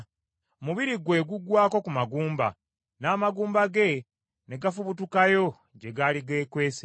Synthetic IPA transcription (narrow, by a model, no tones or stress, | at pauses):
omuβiɾiɡwe̞ːɡuɡwaːko̞kumaɡuːmba̰ | naːmaɡuːmbaɡe̞ | neɡafuβutukajo̞ | ɟe̞ɡaliɡe̞ːkwe̞ːse